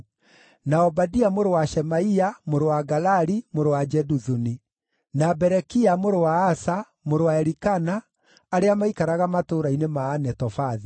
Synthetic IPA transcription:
naɔbadiamoɾowaʃɛmaiamoɾowaɡalaɾimoɾowad͡ʒɛduðuni | nabɛɾɛkiamoɾowaːsa | moɾowaɛɾikanaː | ɾeamaikaɾaɣamatoɾainemaːnɛtɔfaði

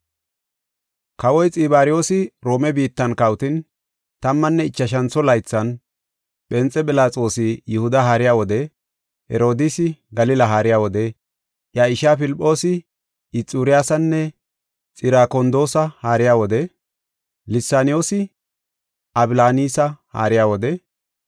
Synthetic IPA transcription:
kɐwɔjt͡sʼɪːbaːɾɪjo̞ːsɪɾo̞ːmɛbiːt̪ːɐnkɐwʊt̪ɪn | t̪ɐmːɐnːɛɪt͡ʃːɐʃ̬ɐnt͡sːɔlɐjt͡sːɐn | ɓɛnt͡sʼːɛbɪlaːt͡sʼo̞ːsɪjɪhʊd̪ɐɦaːɾɪjaːwɔd̪ɛ | hɛ̰ɾo̞ːd̪ɪsɪɡɐlɪlɐɦaːɾɪjaːwɔd̪ɛ | jaːɪʃaːpɪlɪpʼːo̞ːsɪ | ɪt͡sʼːuːɾɪjaːsɐnːɛ | t͡sʼɪɾaːkɔnd̪o̞ːsɐhaːɾɪjaːwɔd̪ɛ | lɪsːaːnɪjo̞ːsɪ | ʔɐbɪlaːniːsɐha̰ːɾɪjaːwɔd̪ɛ

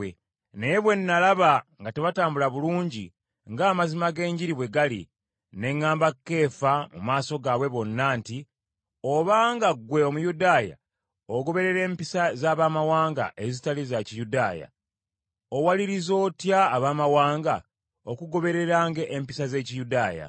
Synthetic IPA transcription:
e | ne̞jeβwe̞nːalaβaŋɡateβataːmbulaβuluːɲɟi | ŋɡaːmazimaɡe̞ːɲɟiɾiβwe̞ɡalḭ | ne̞ŋːaːmbakːe̞ːfamṵmaːso̞ɡaβwe̞βo̞nːaːnti | oβaːŋɡaɡwe̞o̞mujudaːja̰ | oɡo̞βe̞ɾe̞ɾe̞ːmpisazaːβaːmawaːŋɡa̰ʔezitalizacijudaːja̰ | o̞waliɾizo̞ːtjaːβaːmawaːŋɡa | o̞kuɡo̞βe̞ɾe̞ɾaːŋɡe̞ʔːmpisaze̞ːcijudaːja̰

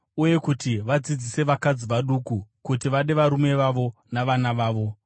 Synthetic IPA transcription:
uje̞kutiʋad͡zid͡zise̞ʋakad͡ziʋaɗukukutiʋaɗe̞ʋaɾume̞ʋaʋo̞naʋanaʋaːʋo̞

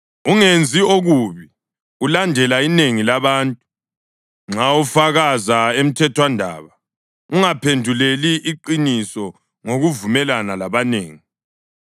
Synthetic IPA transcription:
uŋend͡zʱioɣuβi | ulandʱɛlaineŋilaβaːntʼu | ŋ͡ǁaufaɣazaem̩tʰɛtʰwandʱa̰ːβa | uŋapʰendʱuleliʔːǃinisɔ | ŋoɣuvumɛlanalaβaneːŋi

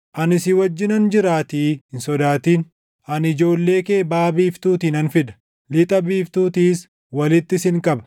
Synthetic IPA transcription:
ʔɐnɪsɪwɐd͡ʒːɪnɐnd͡ʒɪɾaːt̪iːɪnsɔd̪aːt̪iːn | ɐnɪd͡ʒo̞ːlːe̞ːke̞ːbaːbiːft̪uːt̪iːnɐnfɪd̪ɐ̥ | lɪt̪ʼɐbiːft̪uːt̪iːs | wɐlɪt̪ːɪsɪŋkʼɐbɐ̥

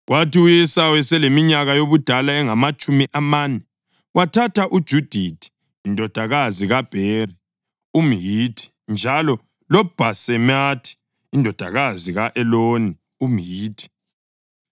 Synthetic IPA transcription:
ɣwatiujɛsawɛsɛlemiɲaɣajoβud̥ʱalaɛŋamat͡ʃʼumiʔamanɛ | wʔatʰatʰaʔud̥ʒ̥ʱud̥ʱitʰi̥ː | ndʱɔd̥ʱaɣaziɣab̥ʱeri | umjitʰi̥ | nd͡ʒʱalɔ | lɔb̥ʱasɛmatʰi̥ː | ndʱɔd̥ʱaɣaziɣaʔɛloni | umɦiːtʰi̥

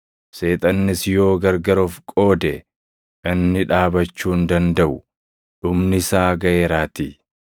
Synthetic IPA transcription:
se̞ːt̪ʼɐnːɪsjo̞ːɡɐɾɡɐɾɔfkʼo̞ːd̪ɛ | ʔɪnːɪᶑaːbɐt͡ʃːuːnd̪ɐnd̪ɐʔʊ | ᶑʊmnɪsaːɡɐʔeːɾaːt̪iː

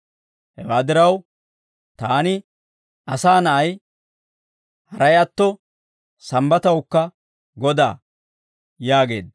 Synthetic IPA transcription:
hɛwaːd̪ɪɾɐw | t̪aːnɪ | ʔɐsaːnɐʔɐj | hɐɾɐjɐt̪ːɔ | sɐmbɐt̪ɐwkːɐ | ɡɔd̪a̰ː | jaːɡe̞̰ːd̪

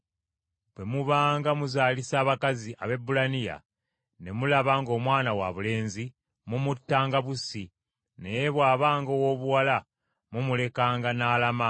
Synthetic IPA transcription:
bwe̞muβaːŋɡamuzaːlisaːβakaziʔaβe̞bːulanija̰ | ne̞mulaβaŋɡo̞ːmwaːnawa̰βule̞ːnzi | mumutːaːŋɡaβusi | nejeβwaːβaːŋɡowo̞ːβuwala | mumule̞kaːŋɡanaːlama

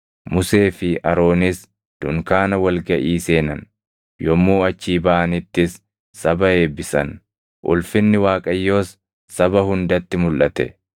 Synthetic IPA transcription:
mʊse̞ːfɪɐɾo̞ːnɪs | d̪̥ʊŋkaːnɐwɐlɡɐʔiːse̞ːnɐn | jɔmːuːɐt͡ʃːiːbaʔɐnɪt̪ːɪsː | ɐbɐhe̞ːbɪsɐn | ʔʊ̰lfɪnːɪwaːkʼɐjːo̞ːsː | ɐbɐɦʊnd̪ɐt̪ːɪmʊlʔɐt̪ɛ̰

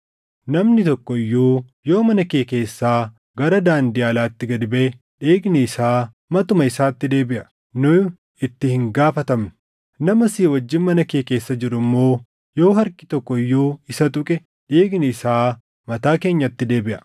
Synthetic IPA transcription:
nɐmnɪt̪ɔkːɔɪjːuː | jo̞ːmɐnɐkeːke̞ːsːaː | ɡɐɾɐd̪aːnd̪iːɐlaːt̪ːɪɡɐd̪ɪbeː | ᶑeːɡnɛɪsaː | mɐt̪ʊmɐɪsaːt̪ːɪd̪e̞ːbɪʔɐ | nʊ | ɪt̪ːɪhɪŋɡaːfɐt̪ɐmnʊ̥ | nɐmɐsiːwɐd͡ʒːɪnmɐnɐkeːke̞ːsːɐd͡ʒɪɾʊmːo̞ː | jo̞ːɦɐɾkʼɪ̥t̪ɔkːɔɪjːuːɪsɐt̪ʼʊkʼɛ | ᶑeːɡnɛɪsaː | mɐt̪aːke̞ːɲːɐt̪ːɪd̪e̞ːbɪʔɐ̥

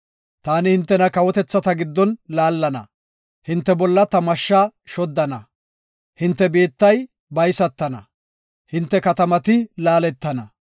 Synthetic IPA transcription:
t̪aːnɪhɪnt̪ːɛnɐkɐwɔt̪ɛt͡sːɐt̪ɐɡɪd̪ːɔnlaːlːɐnɐ̰ | hɪnt̪ːɛbɔlːɐt̪ɐmɐʃːaːʃɔd̪ːɐnɐ | hɪnt̪ːɛbe̞ːt̪ːɐj | bɐjsɐt̪ːɐnɐ | hɪnt̪ːɛkɐt̪ɐmɐt̪ɪlaːlɛt̪ːɐnɐ

